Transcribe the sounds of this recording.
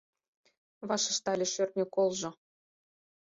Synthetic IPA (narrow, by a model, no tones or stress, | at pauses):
βɑʃə̥̆ʃt̪ɑlʲeʃørt̪nʲekolʒɤ̆